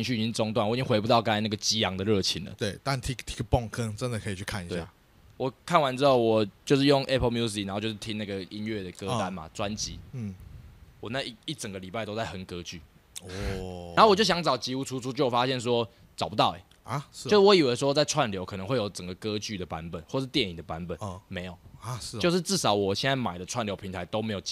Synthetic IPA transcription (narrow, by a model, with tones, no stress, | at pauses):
i˥ŋ̬y˥˨i˨˩t͡ɕi˥ŋt͡sɔ˥ŋt̪wa˥˩nwt͡ɕi˦ŋxwe˧ɪp̬u˧t̪ɑ˥˩ʊka˥a˥na˥˩ɡə˩t͡ɕi˦˥jɑ˧˦ŋd̪ə˨ɻɤ˥˨˩t͡ɕʰi˧˥ŋlə̰˨t̪we˥˩ɪt̪a˥˧nt̪ʰi˦˥kt̪ʰi̥˥kpɔ˥˨ŋkʰə˦ŋʈ͡ʂə˦nd̪ə˨kʰɤ˧˦i˨˩t͡ɕʰy˥˧kʰa˥˨ni˧˦tɕeja̰˩˥˩ | wɔ˨˩kʰa˥˩nwa˧˦nt͡sɻ̩˥o˥˩wɔ˨˩t͡ɕjo˥˧ʊʂɻ̩˥˩˧jo˥˨ŋʔɛ˦˥pʰə˥˧mju˥s̬i˨˥n˨˧˦t͡ɕo˥˧ʂ̩˥t̪ʰi˦ŋna˥˩ɡə˩i˦˥nɥe˥˩d̪ə˩kə˦t̪a˦nma̰˨t͡swa˦nt͡ɕḭ˨˦˥wɔ˨˩na˥˧i˥i˥˩t͡sə˨˩ŋɡə˩li˨˩pa˥ɪt̪o˥t͡sa˥˩ɪxə˨˩nkɤ˦˥t͡ɕy̰˥˩˨ | wt͡ɕo˥˩ɕjɑ˧˥ŋt͡sɑ˨˩ʊt͡ɕi˧˥u˧˥t͡sʰu˧˥t͡sʰu˥t͡ɕjo˥˩˨fa˦˥ɕjɛ˥˨˩ns̬wɔ˦ | t͡sɑ˨˩ʊpu˧˦t̪ɑ˥˩ʊɛ̰˨˩ | t͡ɕʂ̩˥˩wɔ˦i˨˩we˧˥st͡sa˥˧ɪʈ͡ʂʰwa˥˨nljo˧˦ʊkʰɤ˨nə˧˦ŋwɪjo˨˩ʊt͡sə˨˩ŋɡə˩kɤ˦˥t͡ɕy˥˩d̪ə˩pa˧˦nbə˨˩nxwɔ˥˨ə˩ʂɻ̩˥˧t̪jɛ˥˨ni˨˩ŋd̪ə˩pa˧˦nbə˨˩nme˧˦˥ɪjo˨˩ʊ˥˩jo˧ʂɻ̩˥˧t͡sɻ̩˥˩sɑ˨˥ʊwɔ˨˩ɕjɛ˥˧na˥˩ma˨˩ɪdə˦ʈ͡ʂʰwa˥˩nljo˧˥pʰi˧˥ŋt̪ʰa˧˦ɪt̪o˥ʊme˧˥ɪjo˨˩